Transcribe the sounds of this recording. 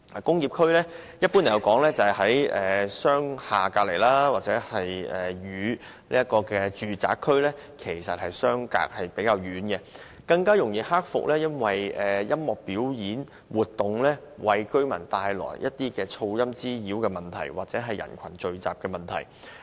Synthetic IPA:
kʊ˥ŋjiː˨˩p̚kʰɵ˥ɥlɛː˥ | jɐ˥t̚pːu˥n˨˩jɐ˧wkɔː˨˥ŋlɛː˥t͡sɐ˨hɐ˨˥jʔɛː˨sœː˥ŋhaː˨kaː˧k̚le˨˩jlaː˥waː˨t̚t͡sɛː˨˧˥hɐ˨jʔɛː˨˩ɥyː˨˧ | nḭː˥ɐ˥t̚kɔː˧kɛː˧t͡ʃyː˨t͡sa̰ː˨˥kʰːɵ˥ɥlɛː˥ | kʰe˨˩jsɐ˨t̚hɐ˨jsœː˥ŋka̰ː˧k̚hɐ˨jpe˨˥jkaː˧wjyː˨˧˥nkɛ˧ | kɐ˧ŋkaː˥jʊ˨˩ŋjiː˨˧haː˥k̚fʊ̰˨k̚lɛː˥jɐ˥nwɐ˨jɛː˨jɐ˥mmɔː˨k̚piː˨˥wjiː˨˥n | wuː˨˩t̚t̪ːʊ˨ŋlɛː˥ | wɐ˧jkɵ˥ɥmɐ̰˨˩nt̪aː˧jlɔ̰ː˨˩jjʔɐ˦˥t̚t̪iː˥kɛː˧t͡sʰo˧wjɐ˥mt͡siː˥jiː˨˥wkɛː˧mɐ˨˩nt̪ʰɐ̰˨˩jwaː˨t̚t͡sɛː˨˥ɦɐ˨jɐ̰˨˩nkʷʰɐ˨˩nt͡ʃɵ˧ɥt͡sa̰ː˨p̚kɛː˧mɐ˨˩nt̪ʰɐ̰˨˩j

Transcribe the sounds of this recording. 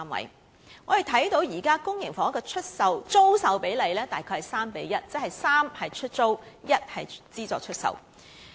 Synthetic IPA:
mwɐ̰˨˧j | ŋɔː˨˧he˨jt̪ʰɐ˨˥jt̪o˨˧˥wjiː˨˩kaː˥kʊ˥ŋjɪ˨˩ŋfɔː˨˥ŋ˥kɔː˧t͡ʃʰɵ˥t̚sɐ˨wt͡so˥wsɐ˨wpe˨˥jle˨˧jlɛː˥t̪aː˨jkʰɔː˧hɐ˨˩jsaː˥mpe˨˥jjɐ˥t̚t͡sɛ˥k̚hɐ˨jsaː˥mhɐ˨jt͡ʃʰɵ˥t̚t͡so˥wjɐ˥t̚hɐ˨jt͡siː˥t͡sɔː˨˧k̚t͡ʃʰɵ˥t̚sɐ̰˨w

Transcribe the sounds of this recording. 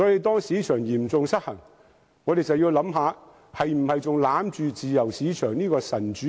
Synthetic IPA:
sɔː˨˧˥ji˨˧jt̪ɔː˥ŋsiː˨˥t͡ʃʰœː˨˩ŋjiː˨˩mt͡sʊ˨ŋsɐ˥k̚hɐ˨˩ŋ | ŋɔː˨˧d̪e˨jt͡sɐ˨wjiː˧wlɐ˨˧˥mɦaː˨˧ | hɐ˨jm̩˨˩hɐ˨jt͡sʊ˨ŋlaː˨˥mt͡ʃyː˨t͡siː˨jɐ˨˩wsiː˨˧˥t͡ʃʰœː˨˩ŋniː˥kɔː˧sɐ˨˩nt͡ʃyː˨˦

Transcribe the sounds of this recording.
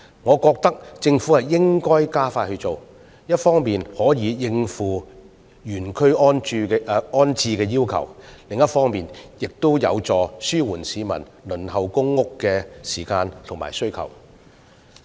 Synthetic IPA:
ŋɔː˨˧kɔː˧k̚t̪ɐ˥k̚t͡sɪ˧ŋfuː˨˥hɐ˨jɪ˥ŋkɔː˥jkaː˥faː˧thɵ˧t͡so˨w | jɐ˥t̚fɔː˥ŋmiː˨˩nhɔː˨˥jiː˨˧jɪ˧ŋfuː˨ | jyː˨˩nkʰɵ˥ɥɔː˥nː˧ɔː˥nt͡sʰiː˧kɛː˧jiː˥wkʰɐ̰˨˩wlɪ˨ŋjɐ˥t̚fɔː˥ŋmiː˨njɪ˨k̚t̪o˥wjɐ̰˨˧wt͡sɔː˨syː˥wuː˨˩nsiː˨˧mɐ̰˨˩n | lɵ˨˩nhɐ˨wkʊ˥ŋːʊ˥kːɛː˧siː˨˩kaː˧nt̪ʰʊ˨˩ŋma̰ː˨˩jsɵ˥ɥkʰɐ̰˨˩w

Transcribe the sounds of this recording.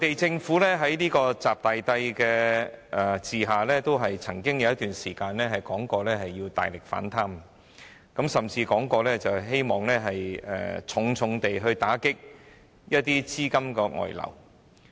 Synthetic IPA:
ɔ˨˥t̪e˨jt͡sɪ˧ŋfuː˨˥lɛː˥ɦɐ˨˥jniː˥kɔː˧t͡saː˨p̚t̪aː˨jt̪ɐ˧jkɛː˧ʔɛ˨˩siː˨ɦaː˨lɛː˥t̪o˥wɦɐ˨jt͡sʰɐ˨˩ŋkɪ˥ŋjɐ˨˧wjɐ˥t̪yː˨nsiː˨˩kaː˧nlɛː˥ɦɐ˨jkɔː˨˥ŋkɔː˧lɛː˥ɦɐ˨jːiː˧wt̪a̰ː˨jlɪ˨k̚fa̰ː˨˥nt̪ʰaː˥m | kɐ˨˥msɐ˨mt͡siː˧kɔː˨˥ŋkɔː˧lɛː˥t͡sɐ˨wɦe˥jmɔː˨ŋlɛː˥ɦɐ˨jɛ̰ː˨t͡sʰʊ˨˧˥ŋt͡sʰʊ˨˧ŋt̪e˨jɦɵ˧ɥt̪aː˨˥kɪ˥k̚ | jɐ˥t̚t̪iː˥t͡siː˥kɐ˥mkɛ˧ŋɔ̰ː˨˩jlɐ̰˨˩w

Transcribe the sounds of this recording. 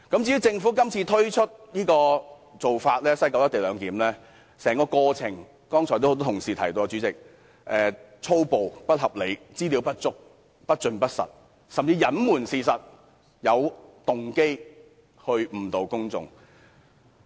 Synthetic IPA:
kɐ˨˥mt͡siː˧˥ji˨˥wt͡sɪ˧ŋfuː˨˥kɐ˥mt͡sʰiː˧t̪ʰɵ˥ɥt͡ʃʰɵ˥t̚jiː˥kɔː˧ | t͡so˨wfaː˧t̚lɛː˥sɐ˥jkɔ˧˥wjɐ˥t̪e˨jlœː˨˧ŋkiː˨˥mlɛː˥ | sɛː˨˩ŋkɔː˧kɔː˧t͡sʰɪ˨˩ŋ | kɔː˥ŋt͡sʰɔː˨˩t̪o˥ht̪̬ɔ˥tʰʊ˨˩ŋsiː˨t̪ʰɐ˨˩jt̪o˧wa˧t͡ʃy˨˥t͡sɪ˨˩k̚ | ʔɛː˨˩ | t͡sʰo˥wpo˨wpɐ˥t̚hɐ˨p̚le˨˥jt͡siː˥liː˨˧wpɐ˥t̚t͡ʃʊ˥k̚ | pɐ˥t̚t͡ʃɵ˧npɐ˥t̚sɐ̰˨˩t̚ | sɐ˨mt͡siː˧jɐ˨˥nmuː˨˩nsiː˨sɐ˨t̚ | jɐ˨˧wt̪ʊ˨ŋke˥j | hɵ˧ɥm̩˨˩t̪o˨˧wkʊ˥ŋt͡sʊ̰˨˧ŋ

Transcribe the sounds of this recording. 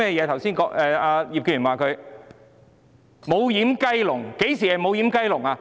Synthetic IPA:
ɛː˥˧jɛː˨˧t̪ʰwsiː˥nkɔː˨˥ʔɛː˧aː˧ji˨p̚ky˥˧˩yː˨˩waː˨kʰɵ˨˧ɥ | mo˨˧wjiː˨˥mkɐ˥jlʊ˨˩ŋke˨˥jsiː˨˩hɐ˨˩jmo˨˧wji˨˥mkɐ˥jlʊ˨˩ŋaː˧

